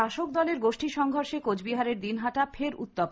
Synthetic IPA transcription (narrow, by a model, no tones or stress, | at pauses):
aʃok̚d̪ɔleɾɡoʃʈiʃɔŋɡʱoɾʃekod͡ʑbiɦaɾeɾd̪inɦaʈafʰeɾṵt̪ːop